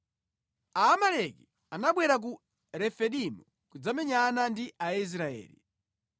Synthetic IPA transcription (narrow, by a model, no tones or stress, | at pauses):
aːmalɛki | anaɓwɛɾak̬u | ɾɛfɛɗimu | kud͡zamɛɲanandiʔais̬ɾaɛ̰ːlḭ